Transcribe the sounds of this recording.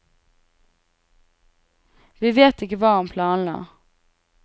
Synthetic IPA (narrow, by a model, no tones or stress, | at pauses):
ʋɪveːt̪ɪkəʋɑːʊmpʰlɑːnlɑ̰ː